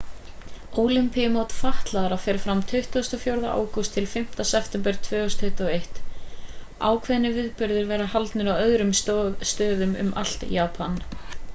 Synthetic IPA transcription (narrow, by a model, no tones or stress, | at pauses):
oːwlimpiɪmoːwt̪faht̪laðɾafɛːɾɪfɾamt̪ʰʏɥht̪ust̪ɔfjowɾða̰ʔa̰ːwkʏst̪ʰːɪlfɪm̥t̪asɛft̪ɛmpɛɾ̥t̪ʰvœːst̪ʰʏht̪ɔejht̪ | a̰ːwkʰvɛðnːɪvɪðpʏɾðɪɾvɛːɾahalt̪nʏɾawœðɾʏmst̪œːðʏmʏ̰mʔal̥t̪jaːpʰan